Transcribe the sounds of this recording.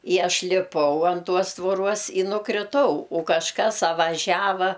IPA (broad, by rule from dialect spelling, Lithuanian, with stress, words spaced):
ɪ ˈɐʃ lʲɪˈpɐʊ ɐn ˈtuɔs tʋoːˈruɔs ɪ nʊkrʲɪˈtɐʊ ʊ kɐʃˈkɐs ɐ ʋɐˈʒʲæːʋɐ